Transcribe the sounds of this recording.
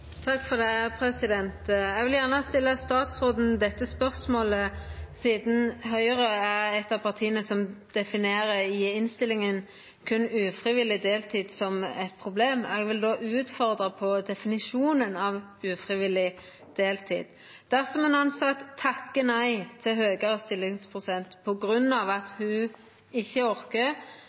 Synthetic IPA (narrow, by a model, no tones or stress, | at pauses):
t̪ʰɑkːfɔd̪ɛpʰɾɛsɪd̪ɛnt̪æɡʋɪljæʁnəst̪ɪlːəst̪ɑːt̪sʁoːd̪n̩d̪ɛt̪ːəspœʁsmoːləsiːd̪n̩ɦœʏʁəæʁɛt̪ːɑʋpʰɑʁt̪ʰiːənəsɔmd̪̥ɛfɪneːɾəɪɪnst̪ɪlɪŋən | kʰʉnʉːfʁɪʋɪlːɪd̪eːlt̪ʰiːd̪sɔmɛt̪̚pʰʁʊbleːmɛɡʋɪld̪oːʔʉːt̪fɔʁd̪ʁəpʰɔd̪ɛfɪnɪʃuːnənɑʋ | ʉːfʁɪʋɪlɪ | d̪̥eːlt̪ʰḭːd̪̥ | d̪̥æʁsɔmɛnɑnsɑt̪ʰːɑkːənæɪt̪ʰɪlɦøːɡəɾəst̪ɪlːɪŋspʰʁʊsɛnt̪pʰɔɡʁʉnːɑʋɑt̪hʉ | ɪçːəœʁkə